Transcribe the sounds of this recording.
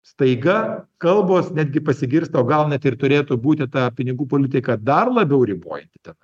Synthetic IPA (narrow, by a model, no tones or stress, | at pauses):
st̪ɐɪɡɐkɐlˠboːsnʲæːd̪ʲɡʲɪpɐsʲɪɡʲɪɾst̪ɐoːɡɐlˠnʲɛt̪ɪrt̪ʊɾʲeːt̪ʊbuːt̪ʲɪt̪ɑpʲɪnʲɪɡuːpoːlʲɪt̪ʲɪkɐd̪ɐrlˠɐbʲɛʊɾʲɪbo̰ːjɛnʲt̪ʲɪ̥t̪ʲɛn